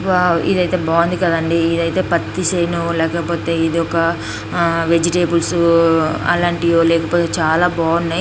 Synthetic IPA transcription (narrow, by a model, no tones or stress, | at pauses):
baḭd̪ɐjt̪e̞ːbaːund̪ikɐd̪ɐɳɖiːd̪ɐjt̪e̞ːpɐt̪ːiʃɐjnulɛːkɐpoːt̪e̞ːid̪iɔkɐ | ʋe̞d͡ʒiʈeːbuls | ɐ̰laːɳʈijoːlɛːkɐpoːt̪e̞ːt͡ʃaːlaːbaːunːaj